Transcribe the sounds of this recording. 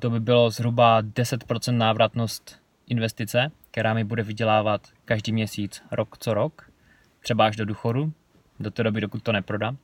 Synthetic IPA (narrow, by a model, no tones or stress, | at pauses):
t̪o̞bɪbɪlo̞zɦɾubadɛsɛt̪pɾo̞t͡sɛnt̪naːvɾʔat̪no̞st̪ | ʔɪnvɛst̪ɪt͡sɛk̚t̪ɛɾaːmɪbudɛvɪɟɛlaːvat̪ | kaʒdiːmɲɛsiːt͡sɾʔokt͡soɾok | t̪r̥ɛbaaʒdo̞duːxo̞du | do̞t̪ɛːdo̞bɪdokut̪̚ːo̞nɛpɾo̞da